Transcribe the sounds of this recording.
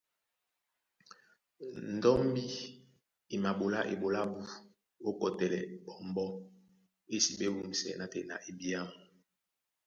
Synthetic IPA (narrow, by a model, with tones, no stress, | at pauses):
n̩˨dɔ˦m˦bi˦ | i˨ma˨bo˨la˦ʔḛ˨bo˨la˦bu˦ | o˦kɔ˨tɛ˨lɛ̰˨bɔ˨mbɔ˦ | e˦si˨ɓe˦wu˦mi˨sɛ̰˨na˨tɛ˨na̰˨ʔe˨bi˦a˦˨m˨